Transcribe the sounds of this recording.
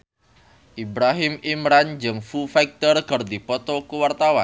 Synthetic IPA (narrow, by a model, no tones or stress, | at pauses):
ʔibɾaɦɪmimɾand͡ʒɨŋfufak̚t̪ərkərd̪ipɔt̪ɔkuwart̪awan